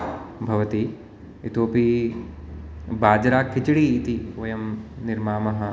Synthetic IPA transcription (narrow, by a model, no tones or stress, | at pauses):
bʱɐʋɐt̪i | it̪oːpi | baːd͡ʒɾaːkʰːɪt͡ʃɽiːt̪iʋɐjɐmnɪɾmaːmɐɦɐ̆